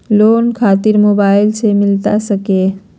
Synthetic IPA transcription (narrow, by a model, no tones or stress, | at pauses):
lonkʰat̪iɾmobailt͡ʃʰemilt̪asəke